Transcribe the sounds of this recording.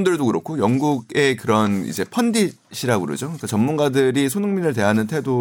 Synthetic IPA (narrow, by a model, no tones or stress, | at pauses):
ndɯɭdokɯɾʌkʰojʌŋɡuɡe̞kɯɾʌnḭd͡ʑe̞pʰʌndi | ɕʰiɾaɡɯɾo̰d͡ʑoɯik͈at͡ɕʌmːunɡadɯɾisʰonɯŋminɯɭte̞ɦanɯntʰe̞do